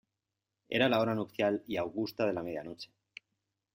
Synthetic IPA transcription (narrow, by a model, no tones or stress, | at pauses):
e̞̰ɾalao̞ɾanukθjaliawɣust̪að̞e̞lame̞ð̞jano̞t͡ʃe̥